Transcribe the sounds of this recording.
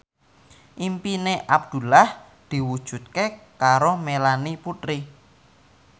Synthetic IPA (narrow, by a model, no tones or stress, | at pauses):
ʔimpineʔab̚d̪̥ṳlah | d̪̥i̤wud̥ʒ̥ṳt̪̚kekaɾomelaniput̪ɾi